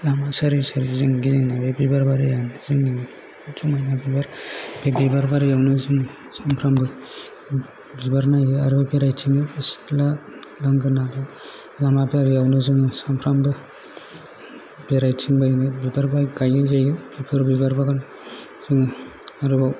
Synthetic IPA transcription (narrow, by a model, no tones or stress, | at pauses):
lamasaɾisaɾiziŋɡiziŋnabebibaɾbaɾijanɯzɯŋiŋ | t͡ʃumajnabibaɾbebibaɾbaɾijawnɯzɯŋ | sampʰɾambɯ | bibaɾnajɯaɾɯbabeɾajtʰiŋɯisi̥tlalaŋɡɯɾnabe | lamabeaɾjawnɯzɯŋɯsampʰɾambɯ | b̥eɾajtʰiŋbajnɯbibaɾbajɡajɯzajɯbipʰɯɾbibaɾbaɡan | z̥ɯŋ | aɾɯbaw